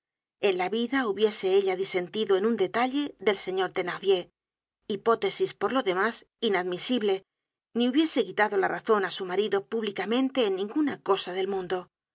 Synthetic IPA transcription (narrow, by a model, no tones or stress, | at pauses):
e̞nlaβiðauβje̞se̞eʎaðise̞nt̪iðoe̞nund̪e̞t̪aʎe̞ðe̞lse̞ɲo̞ɾt̪e̞naðje̞ | ipo̞t̪e̞sispo̞ɾlo̞ðe̞mas | inaðmisiβle̞ | niuβje̞se̞kit̪aðo̞laraθo̞nasumaɾiðo̞puβlikamẽ̞nt̪e̞ːnːĩŋɡunako̞saðe̞lmũnd̪o̞